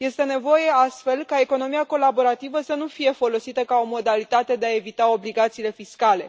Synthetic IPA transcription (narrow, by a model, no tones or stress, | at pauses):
je̞st̪e̞ne̞vo̞je̞ast̪fe̞lkae̞ko̞no̞mijako̞labo̞ɾat̪ivəsənufije̞fo̞lo̞sit̪əkao̞mo̞d̪alit̪at̪e̞d̪e̞ae̞vit̪ao̞bliɡat̪siːle̞fiskale̞